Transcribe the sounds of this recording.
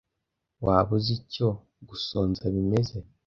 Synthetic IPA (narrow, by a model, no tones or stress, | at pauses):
waːβuzico̞ | ɡuso̞ːnzaβime̞ze̞